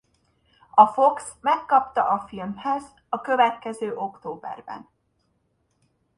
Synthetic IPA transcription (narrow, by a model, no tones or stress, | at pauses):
ɒfo̞ksmɛkːɒpt̪ɒʔɒfilmhɛz | ɒkøvɛt̪̚kɛzøːʔo̞kt̪oːbɛ̰rbɛ̰n